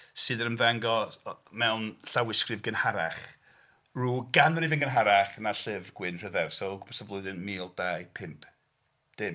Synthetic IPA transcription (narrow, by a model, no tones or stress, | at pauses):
sɨːðəɾənvaŋɡɔmɛwnɬawɪskrɨvɡənhaɾaχ | ruːɡanɾivɪnɡənɦaɾaχnaɬɪvɡ̥wɪnr̥əðɛrsɔɡmʰɛ̥səvlˠʊɨðɨnmiːlˠd̥ajpʰɪmpʰ | d̥ɪm